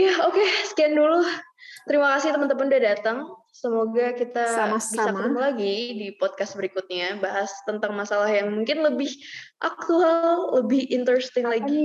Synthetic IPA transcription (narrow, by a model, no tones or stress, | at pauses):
jaokesə̥kiandulut̪əɾimakasɪt̪əmənt̪əməndadat̪əŋ | səmoɡakit̪abisakɾʊmlaɡidipɔd̪̚kast̪̚bəɾikut̪̚ɲabaɦast̪ənt̪aŋmasalahjaŋmuŋkɪnləbɪhʔak̚t̪ualləbɪhɪnt̪əɾɛst̪ɪŋlaɡi